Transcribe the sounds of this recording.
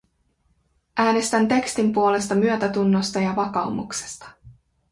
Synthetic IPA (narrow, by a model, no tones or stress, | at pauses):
ʔæːne̞st̪ænt̪e̞kst̪impuo̞le̞st̪ɑmyøt̪æt̪unːo̞st̪ɑjɑʋɑkɑumṵkse̥st̪ɑ̥